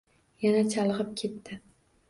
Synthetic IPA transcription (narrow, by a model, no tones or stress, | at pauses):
janat͡ʃʰalˠɨʁɨp̚kʲʰe̞t̪ːɪ